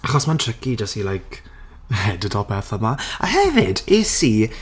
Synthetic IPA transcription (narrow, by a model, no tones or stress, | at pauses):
aχɔsmantʰrɪkid͡ʒasilajk | ɛdədɔlpʰɛrθɔmaa̰hɛvɪdesiː